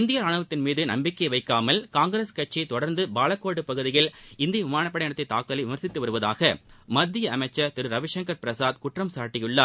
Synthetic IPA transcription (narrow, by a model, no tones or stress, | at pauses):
ɪnd̪ɪjɐɾaːɳɯʋɐt̪ːɪnmiːðɯnɐ̰mbɪkːɐɪʋɐɪkːaːmɐlkaːŋɡɪɾeːskɐʈ̚t͡ʃːɐɪt̪ɔɽɐɾnd̪ɯbaːlɐkːoːɽɯpɐɣɯðɪjɪlɪnd̪ɪjɐʋɪmaːɳɐpːɐɽɐɐɽɐt̪ːɐɪt̪ːaːkːɐlɐɪʋʊmɐɾsɪt̪ːɯʋɐɾɯʋɐða̰ːɣɐmɐd̪ːɪjɐɐmɐɪt͡ʃːɐt̪ɪɾɯɾɐʋɪʂɐŋkɐɾpɪɾɐsaːd̪kʊʈrɐmsaːʈːɪjɯɭːa